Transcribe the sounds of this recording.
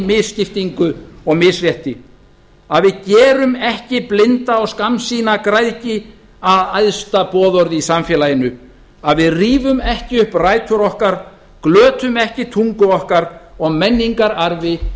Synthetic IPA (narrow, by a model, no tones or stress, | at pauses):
mɪðscɪft̪iŋkʏɔɣmɪðsrjɛht̪ɪ | aðvɪðcɛːɾʏmɛhcɪplɪnt̪aɔɣskamsiːnakɾajðcɪ | aðajðst̪apɔːðɔɾðɪisamfjɛːlajɪnʏ | aðvɪðriːvʏmɛhcɪʏhpraːjt̪ʰʏɾɔhkaɾ̥ | klœːt̪ʏmɛhcɪt̪ʰuŋkʏɔhkaɾɔɣmɛnːiŋkaɾaɾvɪ